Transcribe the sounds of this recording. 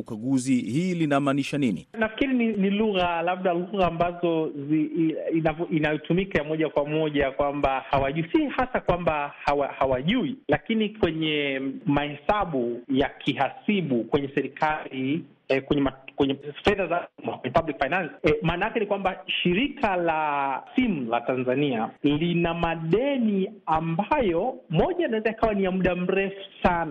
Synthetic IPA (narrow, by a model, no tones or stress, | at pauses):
kaɠuzihiːlinamaːniʃaninḭnafi̥kiɾininiluɣalaɓɗaluɣaːmbazɔziinavɔʔinajitumikajamɔʄakwamɔʄakwambahawaʄuisihasakwambahawahawaʄuilakinikwɛɲɛmahɛsaɓujakʰiɦasiɓukwɛɲɛsɛɾikʰali | ɛkwɛɲɛmakwɛɲɛfɛðazamakwɛɲɛpablikfajnansi̥maːnajakɛnikwambaʃiɾikalasimulatanzanialinamaɗɛniambajɔmɔʄanawɛzaikawaniamuɗam̩ɾɛfu̥sana